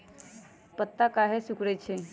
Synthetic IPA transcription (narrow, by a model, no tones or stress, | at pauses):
pət̪ːakaɦesukɾət͡ɕʰe